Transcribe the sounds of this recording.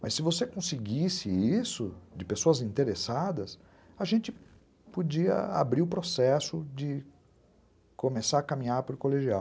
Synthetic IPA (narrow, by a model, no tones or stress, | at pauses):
mʔɐsːɪvosekõsɪɡisɪisʊd͡ʒɪpesoɐzĩnt̪eɾesad̪ɐs | ɐʒẽnt͡ʃɪ | pod͡ʒiɐ̰a̰bɾiʊpɾosɛsʊd͡ʒɪ | komesaɾɐkamĩɲaɾpʊɾkoleʒiaw